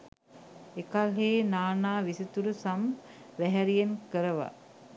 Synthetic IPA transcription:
ekalɦeːnaːnaːʋisit̪uɾəsam | ʋæɦæɾijenkəɾəʋa̰

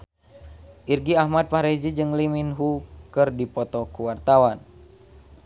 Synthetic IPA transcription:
ʔirɡiahmad̪̚paɾid͡ʒid͡ʒɨŋliminɦukɨrdipɔt̪ɔkuwart̪awan

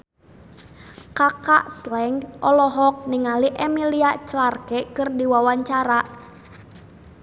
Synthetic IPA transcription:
kaka̰ʔslɛŋɡʔɔlɔɦɔk̚niŋaliʔɛmiliaʔt͡ʃəlarkɛkɨrdiwawaɲt͡ʃaɾa

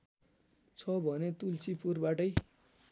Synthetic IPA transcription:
t͡sʰʌbʱʌnet̪ult͡sipurbaʈʌj

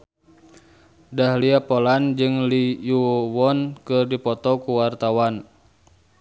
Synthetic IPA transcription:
dahliapɔland͡ʒɨŋlijuwɔnkɨrdipɔt̪ɔkuwart̪awan

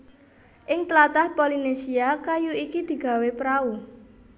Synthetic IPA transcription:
ʔɪŋt̪əlat̪ahpolinesiakajuikid̪̥i̤ɡ̥a̤wepɾau

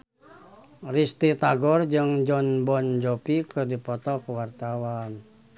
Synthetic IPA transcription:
rist̪it̪aɡɔrd͡ʒɨŋd͡ʒɔnbɔnd͡ʒɔpikɨrdipɔt̪ɔkuwart̪awan

